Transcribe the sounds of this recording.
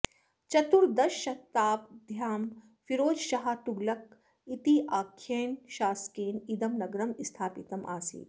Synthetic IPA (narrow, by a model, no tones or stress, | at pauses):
t͡ʃɐt̪uɾd̪ɐʃʃɐt̪aːp̚d̪ʱjaːm | fiɾoːd͡ʒʃɐɦɐt̪uɡlɐk̚ | it̪iʔaːkʰːeːnʃaːskeːnid̪ɐmnɐɡɾɐmist̪ʰaːpit̪ɐmʔa̰ːsḭː